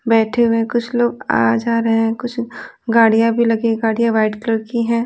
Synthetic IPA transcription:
bɛːʈʰeɦuwẽkʊt͡ʃʰloːɡa̰ːd͡ʒaːɾɐɦeɦɛ̃kʊt͡ʃʰ | ɡaːɽijãbʱilɐɡeɡaːɽijãʋaːɪʈkləɾkiɦɛ̃ː

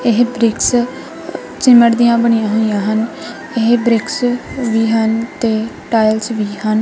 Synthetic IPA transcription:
ɪɦbɾɪks | t͡ʃɪməʈd̪ijãːbəɳ̃ɪjãːɦoːijãːɦən | ɪɦbɾɪksʋiːɦənt̪eːʈaːjlsʋiːɦən

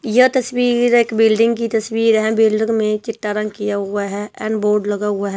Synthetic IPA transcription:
jət̪ɐswiːɾeːkbɪlɖɪ̃ŋɡkit̪əswiːɾɦɛ̃bɪlɖɪ̃ŋɡmẽt͡ʃɪʈːaɾə̃ŋɡ̚kijaɦʊaɦɛːɛ̰̃ːnɖboːɾɖləɡaɦʊaɦɛː

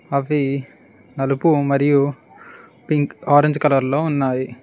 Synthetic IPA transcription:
ɐʋi | nɐlupumɐɾiju | piŋkaːɾeɲd͡ʒkɐlɐɾlo̞ːunːaːji

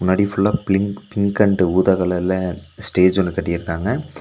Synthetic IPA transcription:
mʊnːaːɽifʊlːaːpɪŋpɪŋɡkɐɳɖɯuːðɐɣɐɭɐlɐsʈeːd͡ʒɔnːɯkːɐʈːɪjɪɾɯnaːŋɡɐ

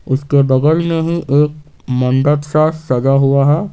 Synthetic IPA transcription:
ʊskeɖ̪ɐɡəlneɦĩʔeːk̚ | mə̃nd̪əd̪ʃaːssɐd͡ʒaɦuaɦɛ

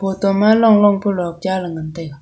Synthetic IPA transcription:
pot̪omaloŋloŋpolok̚d͡ʑalaŋənt̪ek

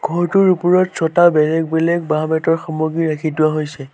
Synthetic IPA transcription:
ɡ̥ʱɔɹtʊɹupuɹɔtsɔtabɛlɛk̚bɛlɛk̚babɛtɔɹxɔmoɡiɹakʰitʊwaɦojsɛ

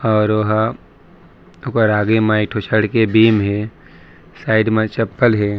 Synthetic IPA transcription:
ɔːɾʋɐɦ | ʊkəɾaːɡemaɪkʈʰot͡ʃʰəɽkebiːmɦe | saːɪɖmẽt͡ʃəpːəlɦeː

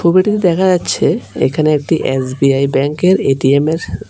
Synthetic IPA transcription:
ubeʈit̪id̪ɛkʰad͡ʑatːɕʰeḛkʰaneek̚ʈiʔesbiajbɛŋkeɾeʈiemeɾ

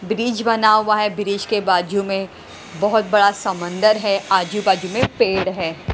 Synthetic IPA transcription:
bɾiːd͡ʒbɐnaɦʊwaɦɛbɪɾiːd͡ʒkebaːd͡ʒumẽ | bɔɦʊt̪̚bɐɽasɐmə̃nd̪əɾɦɛaːd͡ʒubaːd͡ʒumẽpeːɽɦɛː

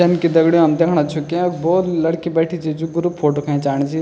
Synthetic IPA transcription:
ɐnkid̪ɐɡɽijõɐmd̪eːkʰɽ̃at͡ʃʰukiboːlɐɽkibɛːʈʰit͡ʃʰid͡ʒuɡʊɾupfʰoːʈokʰãĩt͡ʃaːɽ̃t͡ʃʰi

